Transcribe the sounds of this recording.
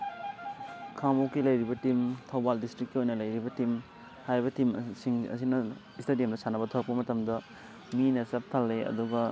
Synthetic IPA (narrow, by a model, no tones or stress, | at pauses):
kʰamowkilɐjɾibɐtimtʰɐwbaldistɾikːiojnɐlɐjɾibɐtim | hajbɐtimsiŋɐ̰s̬inɐ | istedijɐmdɐsʰanɐbɐtʰowɾɐkpɐmɐtɐmdɐ | minɐsɐp̚tʰalːeɐ̰duɡɐ